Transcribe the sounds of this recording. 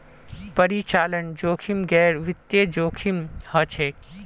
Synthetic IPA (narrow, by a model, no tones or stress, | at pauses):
pəɾit͡ʃaːlənd͡ʒoːkʰimɡɛːɾʋɪt̪jed͡ʒoːkʰimhət͡ʃʰeːk